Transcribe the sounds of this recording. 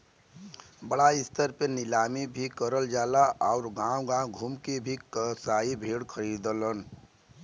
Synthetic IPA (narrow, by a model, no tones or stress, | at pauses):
bəɽaist̪əɾpenilamibʱikəɾəld͡ʒaːlaʔaʊɾɡãwɡãɡʱumkebʱikəsaibʱeɽkʰəɾid̪ələn